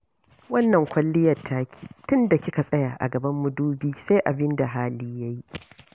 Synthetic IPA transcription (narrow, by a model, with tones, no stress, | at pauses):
wɐ˦nːɐ˨ŋkʷɐ˦lːɪ˦jɐ˨rtʰːaː˦kʲi̥ː˨tʊ˦nda˨kʲɪ˦ka˨sʼɐ˦jaː˨ʔa̰˨ɡɐ˨bɐ˦mːʊ˨duː˦biː˦se˦ʔa˨bɪ˦nda˨ɦaː˦liː˦ja˦ji˦ʔ